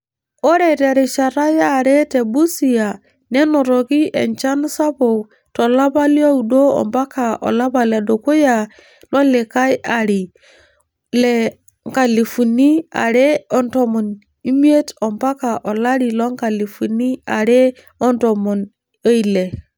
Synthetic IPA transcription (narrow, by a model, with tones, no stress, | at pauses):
o˦ɾe˨te˨ɾe˨ʃa˨ɾa˦jaː˦˨ɾe˦te˨bu˦si˨ja˨ | nɛ˦no˨ɾɔ˨ki˦ʔḛ˨nt͡ʃa˦n˦sa˦bo˨ | tɔ˨la˦ba˦li˦a˦u˨do˦ɔ̰˨mba˦ka˨ʔɔ̰˨la˦ba˨le˨do˨ko˦ja˨ | lɔ˦le˨ka˦ja˨ɾi˨ | lɛ˨ | ŋka˨li˨fu˨ni˦a̰˨ɾe˦ɔ˨ntɔ˨mɔ˨n | i˦mi˦e˦tɔ˨mba˦ka˨ʔɔ˨la˦ɾi˨lɔ˦ŋka˨li˨fu˨ni˦a̰˨ɾe˦ | ɔ˦ntɔ˨mɔ˨n | e˦i˨le˨